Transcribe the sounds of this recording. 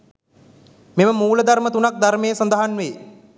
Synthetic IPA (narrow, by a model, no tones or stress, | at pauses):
meməmuːləd̪aɾmət̪unak̚d̪aɾmejːsɐnd̪əɦanʋeː